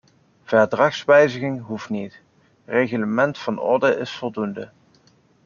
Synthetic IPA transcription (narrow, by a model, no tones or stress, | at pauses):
v̥ɛɹdrɑχsʋɛjzəɣɪŋɦuftnit | rejχələmɛntfɑnɔ̰ɹdəɪsfɔlˠdundə